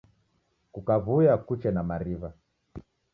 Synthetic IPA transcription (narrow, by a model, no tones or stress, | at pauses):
kukavujakut͡ʃɛnamaɾiva